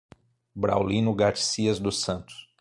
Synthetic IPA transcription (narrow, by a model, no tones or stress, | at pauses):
bɾa̰wlĩnʊɡat͡ʃi̥siɐzd̪ʊsɐ̃nt̪ʊ̥s